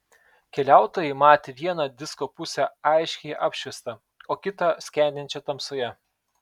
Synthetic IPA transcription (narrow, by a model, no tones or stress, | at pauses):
kʲɛlʲæˑʊt̪oːjɛɪmɑːt̪ʲeʋʲiɛnɐd̪ʲɪskopʊsʲɛɑˑɪʃʲkʲɛɪʔɑːpʲʃʲʋʲɪst̪ɐ | oːkʲɪt̪ɐsʲkʲænʲd̪ʲɪnʲt͡ʃʲɛt̪ɐmsoːjɛ